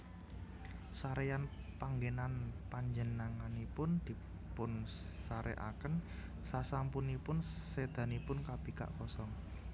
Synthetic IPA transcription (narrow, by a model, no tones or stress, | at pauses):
saɾejan | paŋɡenanpaɲd͡ʒənaŋanipʊnd̪̥i̤ | pʊn | saɾʔɛ̰ʔa̰kən | sasampʊnipʊnsed̪̥a̤nipʊnkab̥e̤ka̰ʔkɔsɔŋ